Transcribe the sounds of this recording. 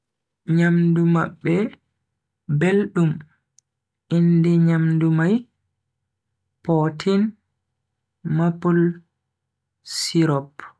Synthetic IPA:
ɲamduma̰ɓːɛ | belɗum | indɛɲamdumaj | pɔtʰin | mapul | siɾɔp

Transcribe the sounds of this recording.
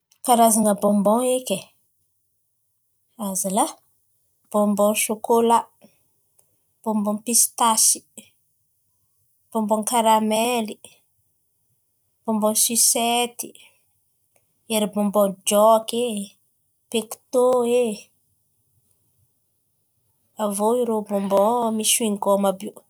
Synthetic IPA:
kaɾazaŋəbɔ̃mbɔ̃ŋekʲe | azila | b̥ɔ̃mbɔnʃokola | b̥ɔ̃mbɔ̃pist̪asi̥ | b̥ɔmbɔ̃ŋkaɾamɛli | b̥ɔ̃mbɔnsiset̪i | eɾibɔmbɔnd͡ʒɔke | pekt̪oe | avoiɾobɔmbɔmiʃuiŋɡɔmabi

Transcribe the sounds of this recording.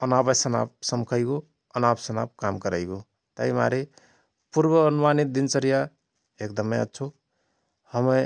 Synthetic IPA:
ʌnabəsʌna̰p̚sʌmkʰʌjɡo | ʌnabsʌna̰p̚kamkʌɾəjɡo | t̪a̰jma̰ɾe | puɾbʌːnumanit̪̚d̪int͡sʌɾija | ekd̪ʌmeja̰t͡ʃʰu | hʌmʌ

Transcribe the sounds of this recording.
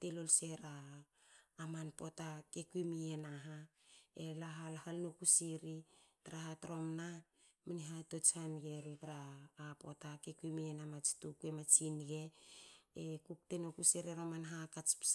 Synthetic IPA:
telolse̞ɾaː | manpo̞takekuimienaɦaelaɦalhalnokusiɾitaɾaɦatɾo̞mna | maniɦato̞t͡ʃhanɡe̞ɾitaɾaːpo̞̰takekuimienamat͡ʃi̥tukuemat͡ʃinɡe̞ | ekuk̚tenokuseɾeɾamanɦakat͡ʃp

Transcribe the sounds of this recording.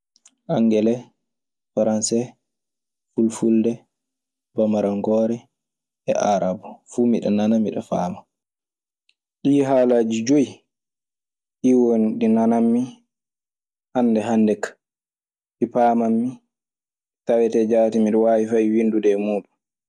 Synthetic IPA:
ʔaŋɡɛlɛ | faɾansɛ | fulfuldɛ | bamaɾaŋɡɔːɾɛ | ɛ̰ʔaɾabɔfumiɗɛ̰nanamiɗɔ̰faːma | ɗiːɦaːlad͡ʒid͡ʒoi | ɗiwonɗinanamːi | ʔanːdɛɦandɛkːḁ | ɗipaːmamːi | tawɛtɛd͡ʒatimiɗɛwawifajwindudɛmuːɗu

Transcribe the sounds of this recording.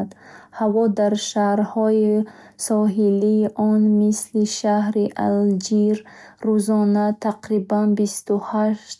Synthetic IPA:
d̪havɔd̪aɾʃahɾhɔi | sɔɦiliːʔɔnmisliʃahɾiʔa̰ld͡ʒiɾːuzɔnat̪ʰaqɾibanbist̪uhaʃt̪

